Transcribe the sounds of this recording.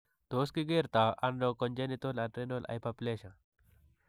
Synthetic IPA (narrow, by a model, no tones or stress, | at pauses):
t̪oːskiɡeːɾt̪aʔɐnɾokonʲd͡ʒenit̪olɐʈɾenolʔa̰jpapleɕɐ